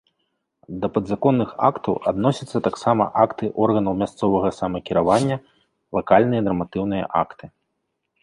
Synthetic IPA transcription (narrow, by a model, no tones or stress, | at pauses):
d̪ɐpɐd̪zakɔnːɨxa̰kt̪ɐwad̪nɔsʲɐt̪sːɐt̪aksamɐ̰ʔakt̪ɨʔɔrɣɐnɐwmʲast̪sɔvɐɣɐsamɐkʲiɾavanʲːɐ | lˠakalʲnɨjɐnɐrmat̪ɨwnɨjɐ̰ʔa̰kt̪ɨ